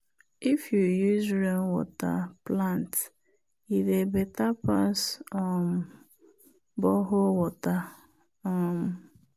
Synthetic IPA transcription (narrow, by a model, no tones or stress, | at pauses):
ifjujuzɾenwɔ̰ta̰plãnt | idebetapasɔm | bɔɦowɔta | ɔm̩